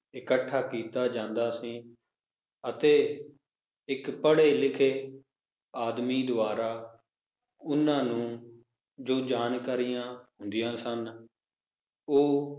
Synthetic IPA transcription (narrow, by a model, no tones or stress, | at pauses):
ɪkəʈʰːaːkiːt̪aːd͡ʒãːnd̪aːsĩː | ət̪eː | ɪkpəɽeːlɪkʰeː | aːd̪miːd̪ʊaːɾaː | ʊnãːnũː | d͡ʒoːd͡ʒaːnkaːɾijãːɦʊnd̪ɪjãːsən | oː